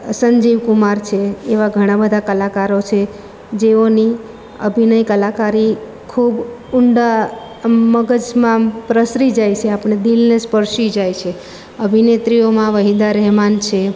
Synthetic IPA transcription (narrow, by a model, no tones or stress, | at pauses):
səɲd͡ʒiʋkumaɾt͡ʃʰeːʋaɡʱəɽ̃ãbəd̪ʱakəlakaɾot͡ʃʰe | d͡ʒeoni | ə̰bʱinəjkəlakaɾi | kʰubʊɳɖa | məɡəd͡ʒmãpɾəsɾid͡ʒajt͡ʃʰeapəɳ̃ed̪ilnespəɾʃid͡ʒajt͡ʃʰe | əbʱinet̪ɾijomãʋəɦid̪aɾɛɦmant͡ʃʰe